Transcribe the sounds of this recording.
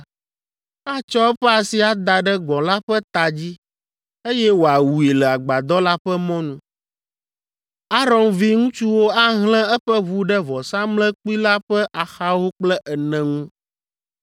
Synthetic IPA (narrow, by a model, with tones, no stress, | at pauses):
a˦t͡ʃɔ˦ɛ˦ɸɛ˦a˨si˨a˨d̪a˨ɖɛ˦ɡɔ̃˨la˦ɸɛ˦t̪a˨d͡ʑi˦ | e˦jɛ˦wo˨a˨wu˨i˨lɛ˨a˨ɡ͡ba˨d̪ɔ˦la˦ɸɛ˦mɔ̃˦nũ˦ | a˦ɾɔ˨nvi˦ŋũ˦t͡ʃu˦wo˦a˦ɦlɛ̃˦ɛ˦ɸɛ˦vu˦ɖɛ˦vɔ˨sã˦mlɛ̃˦k͡pu˦i˦la˦ɸɛ˦ʔa˨xa˦wo˦k͡plɛ˦ʔɛ˨nɛ̃˨ŋũ˦